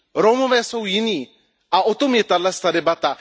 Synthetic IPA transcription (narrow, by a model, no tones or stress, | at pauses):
ɾomoʋɛːsowjiniː | aot̪omjet̪adlast̪aɾebat̪a